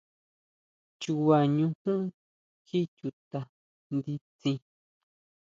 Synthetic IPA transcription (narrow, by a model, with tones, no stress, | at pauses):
t͡ʃu˧wa˨˧˨ɲũ˧kũ˦ | ki˦t͡ʃu˧t̪a˧ | nd̪i˧t͡sĩ˧